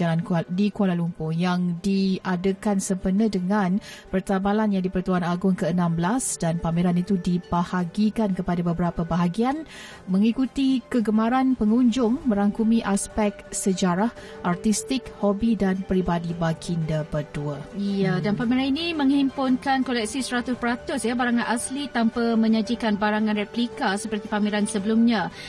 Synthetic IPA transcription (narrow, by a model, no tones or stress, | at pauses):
alankdikualalumpʊhjaŋdiadəkansəmpənədəŋãnpərt̪abalanjaŋdipərt̪uanaɡʊŋkəənãmbəlasdanpameɾanit̪udibahaɡikankəpadabəbəɾapabaɦaɡian | mə̃ŋikut̪ikəɡəmaɾanpəŋuɲd͡ʒʊŋmə̃ɾaŋkumĩʔaspɛk̚səd͡ʒaɾah | ʔart̪ist̪ɪk̚hobidanpəɾibadibakʰindəpəduaijadanpamiɾaninimə̃ŋhimpʊnkankolɛk̚sisəɾat̪ʊspəɾat̪ʊsjabaɾaŋanʔaslit̪ampamə̃ɲad͡ʒikanbaɾaŋãnrɛplikasəpərt̪ipamiɾansəbəlumɲã